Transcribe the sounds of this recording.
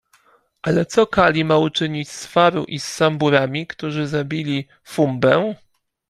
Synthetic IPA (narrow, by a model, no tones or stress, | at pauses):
ʔalɛt̪sɔkalʲimaut͡ʂɘɲit͡ɕsfaɾṵʔisːambuɾamʲikt̪uʐɘzabʲilʲi | fumbɛ